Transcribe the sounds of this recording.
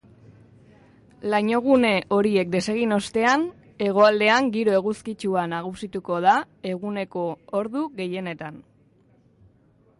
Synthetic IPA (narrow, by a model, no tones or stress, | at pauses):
laɲo̞ɣ̞une̞ʔo̞ɾie̞k̚d̪e̞se̞ɣ̞ino̞st̪e̞an | e̞ɣ̞o̞ald̪e̞aŋɡiɾo̞e̞ɣuskit͡ʃuanaɣ̞usit̪uko̞ða | e̞ɣ̞une̞ko̞oɾðuɣe̞je̞ne̞t̪an